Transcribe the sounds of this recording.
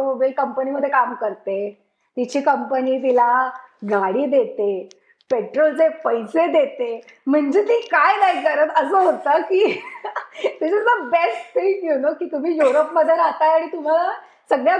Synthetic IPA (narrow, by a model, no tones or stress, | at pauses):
mobilkəmpəniməd̪ʱːjekamkəɾt̪e | t̪it͡ɕiːkəmpəniːt̪̬ilaɡʱaɽiːd̪et̪e | peʈɾolt͡sepəjsed̪et̪em̤əɳd͡ʑet̪iːkajnajkkəɾət̪əsəːɦot̪əkiː | d̪isiəbesʈt̪ekjunokiːt̪um̤iːjuɾopməd̪ʱjeaɾat̪ajaɽ̃it̪um̤ala | səɡɭja